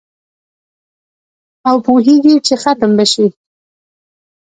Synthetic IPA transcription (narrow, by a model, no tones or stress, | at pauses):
awpuɦeɡit͡ʃexat̪əmbaʃi